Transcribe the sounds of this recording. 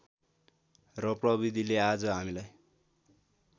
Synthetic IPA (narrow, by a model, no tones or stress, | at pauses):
rʌprʌβid̪ʱilead͡zʌɦamilaj